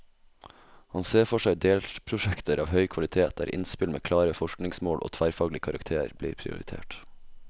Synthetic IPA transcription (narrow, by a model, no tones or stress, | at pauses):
hɑnseːfɔʃæɪd̪eːlpʰɾʊʃɛkt̪əɾʔɑ̰ːʋhœʏkʰʋɑlɪt̪ʰeːt̪̚æ̰ːɾʔɪ̰nspɪlmḛːkʰlɑːɾəfɔʃknɪŋsmoːlo̰ːt̪ʰʋæːɾfɑːɡlɪəkʰɑɾɑ̰kt̪ʰeːə̰ɾblḭːɾpʰɾɪ̰ʊ̰ɾɪ̰t̪ʰḛːʈ